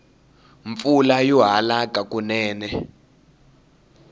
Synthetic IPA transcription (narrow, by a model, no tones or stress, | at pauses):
ɱfulajɔɦalakʼakʼunɛːnɛ